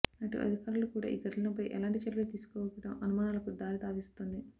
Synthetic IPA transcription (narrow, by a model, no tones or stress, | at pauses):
ɐʈṵʔɐ̰d̪ʱikaːɾulukuːɽa̰ːʔḭːɡɐʈlɐnɐpɐjʔɛ̰laːɳʈit͡ʃɐɾʋɐlt̪iːsu̥kɔːʋɐkːɐʈɐmɐnumaːnaːlɐkud̪aːnit̪aːʋist̪oːnd̪i